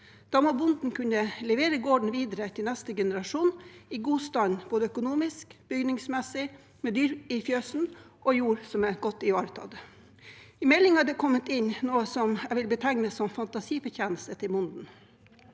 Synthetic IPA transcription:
d̪̥ɑːmoːbʊnd̪n̩kʉnəlɛʋeːɾəɡoːɖɳ̩ʋiːd̪əɾət̪ʰɪlnɛst̪əɡɛnəɾɑʂuːnɪɡuːst̪ɑːd̪nb̥oːd̪əœkʊnuːmɪskb̥ʏɡnɪŋsmɛsɪ | mɛd̪yːɾɪfjøːsn̩ʔɔjuːɾsɔmɛɡɔt̪ːɪɑːɾət̪ʰɑ̰d̪ | ɪmɛlɪŋɑd̪ɛkʰɔmːət̪ɪnnoːəsɔmæʋɪlbət̪ʰæŋnəsɔmfɑnt̪ɑsiːfəçæːnəsət̪ʰɪlmʊnd̪n̩

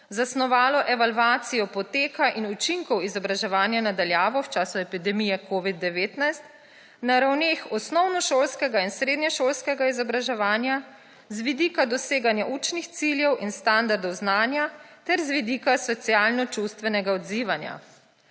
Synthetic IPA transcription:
zasnɔʋaːlɔʔɛʋalʋaːt̪sijɔpɔt̪eːkaʔinut͡ʃiŋkɔwizɔbɾaʒɛʋaːnjanad̪aljaːʋɔwt͡ʃaːsuɛpid̪ɛmijɛkoʋid̪̚ːɛʋeːt̪najst̪ | naɾawneːxɔsnɔwnɔʃoːlskɛɡainsɾeːd̪nɲɛʃolskɛɡaizɔbɾaʒɛʋaːnja | zʋid̪iːkad̪ɔseːɡanjaʔut͡ʃnixt̪siljɛwinst̪and̪aɾd̪ɔwznaːnjat̪ɛɾzʋid̪ikasɔt̪sijaːlnɔt͡ʃust̪ʋɛnɛɡaɔd̪ziːʋanja̰

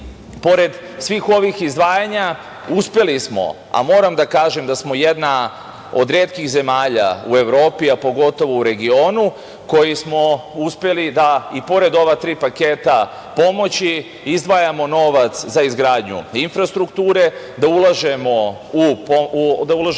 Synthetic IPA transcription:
po̞ɾe̞d̪ | sʋiːxo̞ʋixizd̪ʋaːjaɲa | uspje̞lismo̞̰ | a̰mo̞ːɾamd̪akaːʒe̞md̪asmo̞je̞d̪na | o̰d̪ɾeːt̪kiɣze̞maːʎa̰ue̞ʋɾo̞ːpiapo̞ɡo̞t̪o̞ʋo̞uɾe̞ɡio̞ːnu | ko̞jismo̞uspe̞lid̪aipo̞ɾe̞d̪o̞ʋat̪ɾiːpake̞ːt̪a | po̞mo̞t͡ɕi | izd̪ʋaːjamo̞no̞ʋat̪szaizɡɾaːd̪ɲṵinfɾast̪ɾukt̪uːɾe̞ | d̪aulˠaʒe̞mo̞ | upod̪aulˠaʒ

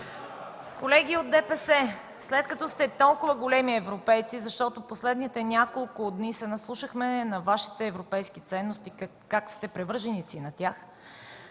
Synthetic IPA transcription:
kolɛɡ̟iod̪̚d̪ɛpɛsɛ | slɛt̪̚kɐt̪ɔst̪ɛt̪ɔlˠkʊvəɡolɛmiɛvɾopɛjt̪sizɐʃt̪ɔt̪oposlɛd̪nit̪ɛnʲakolˠkʊd̪nisɛnɐslˠuʃəxmɛnɐvaʃi̥t̪ɛːvɾopɛjskit̪sɛnːʊst̪i | kːakst̪ɛpɾɛvɤɾʒɛnisinɐt̪ʲjax

